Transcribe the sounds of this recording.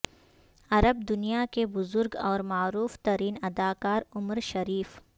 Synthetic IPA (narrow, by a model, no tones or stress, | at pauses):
ɐɾəb̚d̪ʊnijakebʊzʊɾɡɔːɾmaːɾuːft̪ɐɾiːnɐd̪aːkaːɾʊməɾʃɐɾiːf